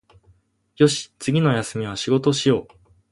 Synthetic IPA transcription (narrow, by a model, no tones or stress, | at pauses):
jo̞ɕi̥t͡sɨɡʲino̞jasɨmʲiβaɕiɡo̞t̪o̞ɕijo̞ː